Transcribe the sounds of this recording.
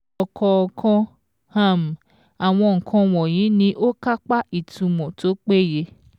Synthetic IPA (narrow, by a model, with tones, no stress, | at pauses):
ɔ˧kʰɔ˧kʰɔ̃˧ | hã˦˨m̩˨ | a˨w̃ɔ̃˧ŋ̩˨kʰɔ̃˧w̃ɔ̃˨j̃ĩ˨˦nĩ˧˦ʔo˦ka˦k͡pa˦i˨tũ˧mɔ̃˨to˨˦k͡pe˦˨je˧